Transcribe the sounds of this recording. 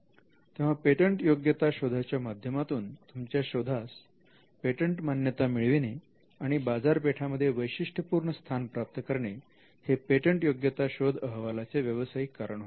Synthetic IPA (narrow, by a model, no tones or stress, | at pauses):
t̪eʋ̤apeʈəɳʈjoɡjət̪aɕod̪ʱat͡ɕjamad̪ʱjəmat̪uːnt̪umt͡ɕjaɕod̪ʱas | peʈəɳʈmanjət̪amiɭʋine | aɽ̃ibad͡zaɾpeʈʰaməd̪ʱːjeʋəjɕiʂʈʰəpuːɾɳəst̪ʰanpɾap̚t̪əkəɾɳe | hepeʈəɳʈjoɡjət̪aɕod̪ʱəɦʋalat͡seʋjəʋəsaikaɾəɳɦo